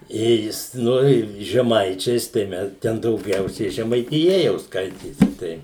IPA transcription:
ˈjɛɪ jɪs noːˈrʲeːjʊm ʒʲɛˈmɐɪt͡ʃʲɛɪs ˈtɐɪ mʲɛs tʲɛn dɐʊˈɡʲɛʊsʲɛɪ ʒʲɛmɐɪtʲɪˈjɛ jɛʊ ˈskɐɪtʲeːsʲɪ ˈtɐɪ

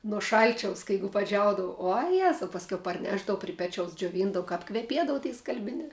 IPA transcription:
nuɔ ˈʃɐlʲt͡ʃʲɛʊs kɐ ˈjɛɪɡʊ pɐˈd͡ʒʲɛʊdɐʋɐ uɔ ˈjæːzɐʊ pɐsʲˈkʲɛʊ pɐrʲˈnʲæːʒdɐʋʊ pʲrʲɪ ˈpʲæːt͡ʃʲɛʊs d͡ʒʲoːˈʋʲiːndɐʋoː kɐp kʋʲɛˈpʲiɛdɐʋʊ tʲiɛ skɐlʲbʲɪˈnʲæː

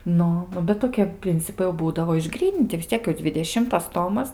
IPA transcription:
ˈnʊ ˈnʊ bʲɛt toːˈkʲiɛ ˈpʲrʲɪnʲt͡sʲɪpɐɪ jɛʊ ˈbuːdɐʋoː ɪʒˈɡrʲiːnʲɪnʲtʲɪ ʋʲɪs ˈt͡sʲiɛk jɛʊ d͡zʲʋʲɪdʲɛˈʃʲɪmtɐs ˈtoːmɐs

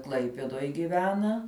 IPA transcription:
ˈklˠɐɪpʲɛduɔj ɡʲɪˈʋʲæːnɐ

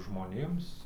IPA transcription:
ʒmoːˈnʲeːms

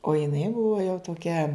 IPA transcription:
oː jɪˈnɐɪ ˈbʊʋoː jɛʊ toːˈkʲɛ

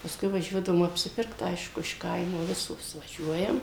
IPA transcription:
pɐsˈkʊɪ ʋɐˈʒʲuɔdɐʋoːm ɐpʲsʲɪˈpʲɪrkt ˈɐɪʃkʊ ɪʃ ˈkɐɪmoː ˈʋʲɪsoːs ʋɐˈʒʲuɔjɛm

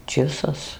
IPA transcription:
ˈt͡ʃʲɪsɐs

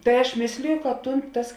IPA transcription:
tɐɪ ɐʃ ˈmʲeːsʲlʲɪjʊ kɐt ˈtuːn tɐs

